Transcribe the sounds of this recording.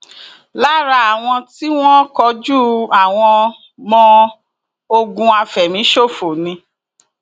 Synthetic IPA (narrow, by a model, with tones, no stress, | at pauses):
la˦ɾa˧a˨w̃ɔ̃˧ti˦w̃ɔ̃˦kɔ˧˦d͡ʒu˦˨a˨w̃ɔ̃˧ | mɔ̃˧ | o˧ɡũ˧a˧fɛ˨mĩ˨˦ʃo˦˨fo˨nĩ˧